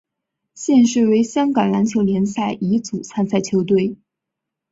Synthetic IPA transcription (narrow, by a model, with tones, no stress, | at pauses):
ɕjɛ˥˧nʂɻ̩˥˩we˧˥ɪɕjɑ˥ŋkɑ˨˩ŋla˧˥nt͡ɕʰjo˧˥ʊljɛ˧˥nsa˥˩ɪʔi˧˥t͡su˨˩t͡sʰa˥nsʰa˥˩ɪt͡ɕʰjo˧˥ʊt̪we˥˩ɪ